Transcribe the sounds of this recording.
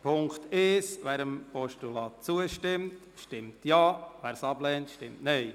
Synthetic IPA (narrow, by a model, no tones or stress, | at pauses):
pʰʊŋktɪʃʋæːɾəmpɔʃtulɑːt̚t͡suəʃtɪmt | ʃtɪmtjɑːʋæːɾsɑblɛːntʃtɪmtnɛɪ